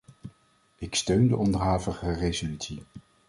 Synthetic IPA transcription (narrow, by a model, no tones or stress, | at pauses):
ɪkstøɥndəʔɔndəɹɦaːvəχərejzolytsi